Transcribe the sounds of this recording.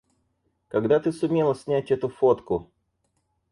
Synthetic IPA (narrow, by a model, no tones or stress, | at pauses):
kɐɡd̪at̪ɨsʊmʲe̞lˠəsʲnʲætʲɛt̪ʊfot̪kʊ